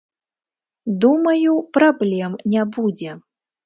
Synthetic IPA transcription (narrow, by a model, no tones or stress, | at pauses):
d̪umɐjupɾablʲɛmnʲabud͡zʲɛ